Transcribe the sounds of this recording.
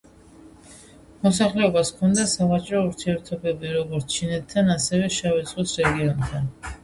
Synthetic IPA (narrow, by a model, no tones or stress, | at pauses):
mɔsaχlɛɔbaskʰɔnd̪asavat͡ʃʼɾɔuɾt̪ʰiɛɾt̪ʰɔbɛbiɾɔɡɔɾt̪sʰt͡ʃʰinɛt̪ʰːanasɛvɛʃavɛt̪sʼqʼisɾɛɡiɔnt̪ʰan